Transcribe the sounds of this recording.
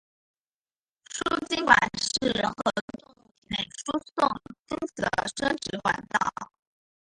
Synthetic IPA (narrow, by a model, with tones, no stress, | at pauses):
ʂu˥t͡ɕi˥nkwa̰˨˩nʂɻ̩˥˩ɻə˧˥nxɤ˧˥ | ne˨˩ɪʂu˥sʊ˥˩ŋt͡si˥ŋt͡sə̰˧˩˦ʂɤ˥ŋʈ͡ʂɻ̩˧˥xwa̰˧˩nt̪ɑ̰˥˩ʊ